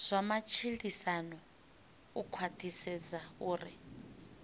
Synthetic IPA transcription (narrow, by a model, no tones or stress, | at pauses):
z̥ʷamat͡ʃʰildisanɔ | ukʰwatʰisɛd͡zauːri